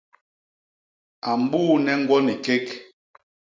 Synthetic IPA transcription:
a˨m˨˦buː˦˨nɛ˦ŋ̩˦ɡwɔ˦ni˨ke˦k

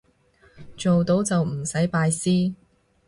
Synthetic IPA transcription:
t͡ʃo˨wt̪o˨˥wt͡sɐ˨wm̩˨˩sɐ˨˥jpaː˧jsiː˥

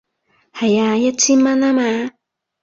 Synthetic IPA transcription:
ha˨ja˧ja˦t͡si˦ma˦na˦ma˧˦

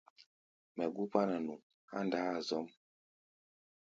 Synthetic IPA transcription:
mɛ˨ɡu˦pa˦na˨nu˨ŋ | a̰˦nda˨˦a˨zɔ˨˦m

